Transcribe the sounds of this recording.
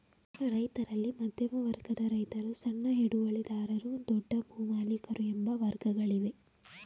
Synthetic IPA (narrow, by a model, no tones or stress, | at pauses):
ɾɐjt̪ɐɾɐlːimɐd̪ʱjɐmɐʋɐɾɡɐd̪ɐɾɐjt̪ɐɾusɐɳːɐɦiɽuʋɐɭid̪aːɾɐɾud̪ɔɖːɐbʱuːmaːlikɐɾuɛmbɐʋɐɾɡɐɡɐɭiʋe̞